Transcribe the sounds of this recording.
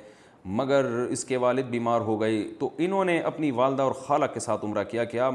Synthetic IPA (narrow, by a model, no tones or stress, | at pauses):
mɐɡəɾɪskeʋaːlɪd̪̚biːmaːɾɦoɡɐet̪oʔɪnɦõːneʔɐpniʋaːld̪aɔːɾxaːlakːesaːt̪ʊmɾakijakjaː